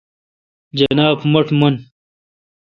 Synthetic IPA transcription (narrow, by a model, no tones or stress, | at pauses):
d͡ʑɐnaːbmɐʈmun